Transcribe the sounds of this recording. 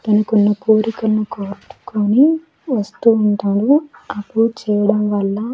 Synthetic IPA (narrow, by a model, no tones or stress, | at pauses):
t̪ɐnɐkunːɐpuːɾikɐlɐnukoːɾʈu̥koːni | ʋɐst̪uːɳʈaːɽuɐpːuɽt͡ʃɛːjɐɽɐmʋɐlːɐ